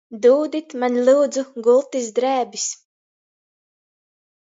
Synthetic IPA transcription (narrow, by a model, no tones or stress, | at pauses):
d̪uːd̪it̪manʲlʲˠuːd̪zuɡulˠt̪isd̪ɾæːbis